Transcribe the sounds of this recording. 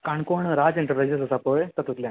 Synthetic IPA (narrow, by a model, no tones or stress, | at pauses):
kaɳkoɳɾad͡zeɳʈəɾpɾajd͡zesəsapəjt̪ət̪ut̪ljãn